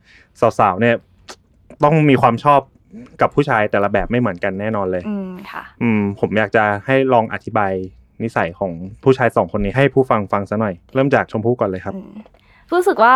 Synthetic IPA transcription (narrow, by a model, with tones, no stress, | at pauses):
saː˨˩˦wsaː˩˦wni˥˩ɐ | t̪ɔ˥˩ŋmiː˧kʰwaː˧mt͡ɕʰɔː˥˩p̚ | ka˨˩pʰːuː˥˩t͡ɕʰaː˧jt̪ɛː˨˩la˧bɛː˨˩p̚ma˥˩jmɯ˩˦ənka˧nːɛː˥˩nɔː˧nlɤː˧jʰ | ʔɯː˧pʰo˩˦mjaː˨˩k̚t͡ɕa˨˩ha˥˩jɾɔː˧ŋʔa̰˨˩t̪ʰi˦˥baː˧j | ni˦˥sa˩˦jkʰɔː˩˦ŋpʰuː˥˩t͡ɕʰaː˧jsɔː˩˦ŋkʰo˧nːiː˦˥ɦa˥˩jpʰuː˥˩fa˧ŋfa˧ŋsa˧˦˥nɔ˨˩jɾɤː˥˩mt͡ɕaː˨˩k̚t͡ɕʰo˧mpʰuː˥˩kɔː˨˩lɤː˧jkʰa˦˥p̚ | ɾuː˦˥sɯ˨˩k̚waː˥˩